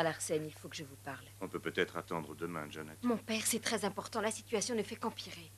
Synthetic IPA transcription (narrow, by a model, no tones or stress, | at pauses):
alaʁsɛnilfokəʒəvupaʁlɔ̃pøpøt̪ɛt̪χat̪ɑ̃d̪ʁəd̪əmɛ̃ʒanɛt̪mɔ̃pɛʁsɛt̪χɛzɛ̃pɔʁt̪ɑ̃lasit̪ɥasjɔ̃nəfɛkɑ̃piʁe